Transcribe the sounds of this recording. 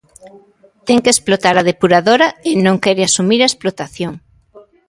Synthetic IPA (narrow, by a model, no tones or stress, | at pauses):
t̪ɛŋkesplot̪aɾɐðepuɾaðoɾɐenõŋkɛɾɪasumiɾaesplot̪aθjoŋ